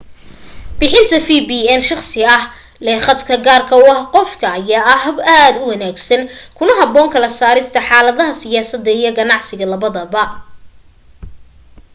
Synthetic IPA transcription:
b̥ɪħɪnt̪ʰɐfiːbiːɛːnʃɑχsɪɐh | lɛːχɐd̪kʰɐɡaːrkʰɐʊɑhqɔfkʰɐːjaːɐɦɐbaːd̪ʊwɑnæːɡsɐnkʰʊnɐɦɐbɔːŋkʰɐlɐsaːɾɪst̪ʰɐħaːlɐðɐɦɐsɪjaːsɐd̪ɐijɔɡɐnɑʕsɪɣɐlɐβɐðɐbɐ

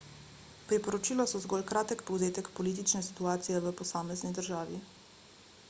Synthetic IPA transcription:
pɾipɔɾɔt͡ʃiːlɔsɔzɡɔːlkɾaːt̪ɛkpɔwzeːt̪ɛkpɔliːt̪̬it͡ʃnɛsi̥t̪uaːt̪sijɛʋəpɔsaːmɛznid̪əɾʒaːʋi

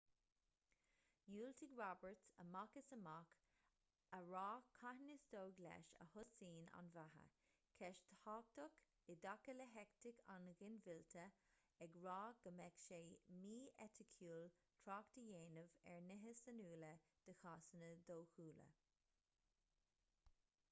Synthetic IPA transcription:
juːltʰɪɡɹabəɹtsəmakəsəmak | əɹɑːkʰahnɪsd̪̥oːɡlɛ̰ʃə̰hʊsiːna̰nvaɦə̰ | kʰɛʃt̪əhɑːk̚t̪ʊk | ɪd̪akələɦɛktɪkʰa̰nɡɪnvɪlt̪ʰə | ɛɡɹɑːɡ̥əmɛkʃeːmiːɛt̪ʰəkʰjuːlt̪ʰɹɑːkt̪ʰəjeːnəvɛ̰ɹnɪɦəsənuːləd̪̥əxaːsənəd̪oːxuːlə̰

